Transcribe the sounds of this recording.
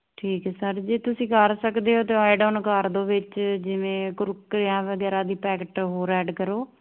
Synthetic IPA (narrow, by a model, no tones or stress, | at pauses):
ʈʰiːkɛːsəɾd͡ʒeːt̪ʊsĩːkəɾsəkd̪eːɦoːt̪eːaːɪɖoːnkəɾd̪õːʋɪt͡ʃd͡ʒɪʋẽːkʊɾʊkːɾejãːʋəɡɛːɾãːd̪iːpɛːkəʈɦoːɾɛːɖkəɾoː